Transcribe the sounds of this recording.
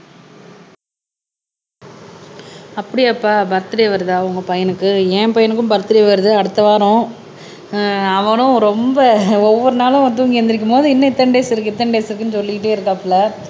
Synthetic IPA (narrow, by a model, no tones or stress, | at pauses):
ɐpːɐɽɪjɐpːaːbɐɾt̪ːɪɾeɐʋɐɾðaːʊŋɡɐpɐjɐnɯkːɯẽːpɐjɐnɯkːɯmbɐɾt̪ːɪɾɐjʋɐɾɯðɯɐɽɯt̪ːɐʋaːɾʊ̃ | ɐʋɐnʊ̃ɾɔmbɐɔʋːɔɾɯnaːlʊ̃ɐt̪uːŋɡɪɐnd̪ɪɾɪk̬ːɯmpoːðɯɪnːɐɪt̪ːɐnɖeːsɪɾɯkːɯɪt̪ːɐnɖeːsɪɾɯkːɯnɯsɔlːɪkɪʈ̬ːeːɪɾɯkːapːlɐ